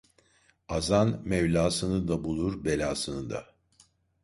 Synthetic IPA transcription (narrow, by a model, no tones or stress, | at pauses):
azanmɛvlʲaːsɯnɯd̪abulˠuɾbe̞lʲaːsɯnɯd̪a̰